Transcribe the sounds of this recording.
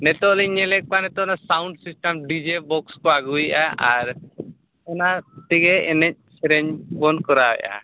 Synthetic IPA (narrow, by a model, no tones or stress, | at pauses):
nɛt̪ɔʔlɛɲɛlɛʔ̚kanɛt̪ɔnasawɳɖsisʈamɖid͡ʒebɔkskɔaɡujʔaʔaɾ | ɔnaʈiɡɛɛnɛc̚sɛɾɛɲbɔnkɔɾawɛ̰ja̰